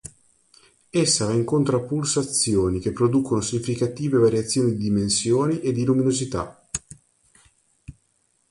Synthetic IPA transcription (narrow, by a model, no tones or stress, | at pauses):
esːavaiŋkont̪ɾapulsat̪sjoːnikepːɾod̪ukonosiɲifikat̪iːvevaɾjat̪sːjoːnid̪id̪imensjoːniʔed̪ːiluminozit̪a̰